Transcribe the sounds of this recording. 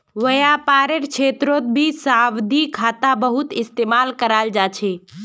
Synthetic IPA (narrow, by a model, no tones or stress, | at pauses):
ʋəjapaːɾeɾkt͡ʃʰeːt̪ɾot̪̚bʱisaːwd̪ʱikʰaːt̪abəɦʊt̪ɪst̪eːmaːlkəɾald͡ʒaːt͡ʃʰe